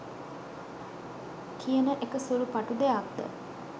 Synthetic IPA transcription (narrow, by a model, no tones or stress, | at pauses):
kijənəʔekəsuɾupaʈud̪eak̚d̪ə̰